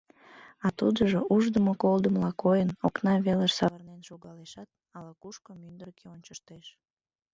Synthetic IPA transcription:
ɑt̪ud̪əʒoʔuʒd̪əmokold̪əmlɑkojənoknɑβeləʃsɑβɑrnenʃoɣɑleʃɑt̪̚ | ɑlɑkuʃkomynd̪ərkeonʲt͡ɕəʃt̪eʃ

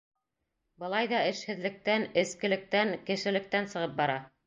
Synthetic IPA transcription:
bɤ̆lˠɑjðɑɘ̆ʃhɘ̆ðlɘ̆k̚t̪ænɘ̆skɘ̆lɘ̆k̚t̪æŋkɘ̆ʃɘ̆lɘ̆k̚t̪ænsɤ̆ʁɤp̚bɑɾɑ

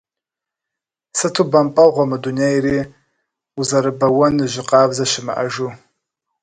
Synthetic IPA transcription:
sɨtʰuːbɐmpʼɐʁʷɔmɨduneːjireː | uzɐɾɨbɐwɐnɨʑɪqɑːbzɐɕɪmɨ̰ʔɐʒuː

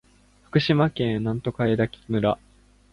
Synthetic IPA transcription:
ɸɯ̥kɯ̟ɕimakẽ̞ɰnãnt̪o̞kaed̪akʲi̥mɯ̟ɾa

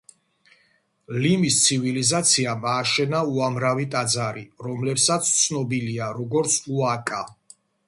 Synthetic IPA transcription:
limist̪sʰivilizat̪sʰiamaːʃɛnauamɾavit̪ʼad̪zaɾiɾɔmlɛpsat̪sʰt̪sʰnɔbiliaɾɔɡɔɾt̪sʰuakʼa

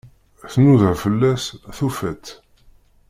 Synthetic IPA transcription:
θnuðəʁfəlːæsθufæt̪ː

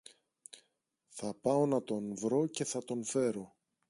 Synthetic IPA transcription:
θɐpɐo̞nɐt̪o̞nvɾo̞ce̞θɐt̪o̞nfe̞ɾo̞

